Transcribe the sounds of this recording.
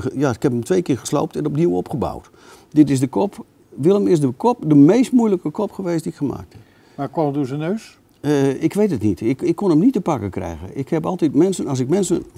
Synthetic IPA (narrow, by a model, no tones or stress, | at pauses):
jaɪkhɛpəmtʋejkɪːχə̥slo̰wp̚tɛnɔp̚niwɔpχəba̰wt | dɪtɪsdəkɔp | ʋɪlˠəmɪs̬dəkɔp̚dəmejst̚mujləkəkɔpχəʋeːstdiɪkχəma̰ːk̚thɛp | makwɔmduzənøːs | ɪkʋejtətnitɪkɪkːonəmnitəpakəkrɛ̰jɣə̰ʔɪkhɛpɑlˠtitmɛnsənɑsɪk̚mɛnsən